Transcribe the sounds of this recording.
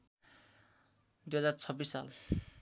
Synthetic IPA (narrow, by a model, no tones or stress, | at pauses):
d̪ujɦʌd͡zart͡sʰʌbːisːa̰l